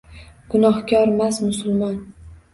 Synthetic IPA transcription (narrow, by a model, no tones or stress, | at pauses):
ɡ̥ʊnɒhkʰʲɒɾmasmʊsʊlˠmɒn